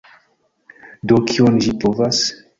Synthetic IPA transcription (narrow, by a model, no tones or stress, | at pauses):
dokʰionʒipovas